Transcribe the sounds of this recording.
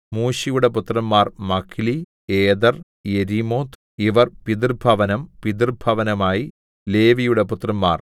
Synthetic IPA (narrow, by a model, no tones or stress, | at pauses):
muːɕijuɽeput̪rɐmːaːrmɐkʰːili | eːd̪ɐr | jeɾimoːt̪ | iʋɐrpid̪irbʱɐʋɐnɐmpid̪irbʱɐʋɐnɐmaːji | le̞ːʋijuɽe̞put̪ːrɐmːa̰ːr